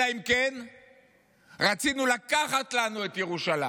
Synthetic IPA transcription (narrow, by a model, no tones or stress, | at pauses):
aimken | ʁat͡sinulakaχatlanue̞t̪jeʁuʃala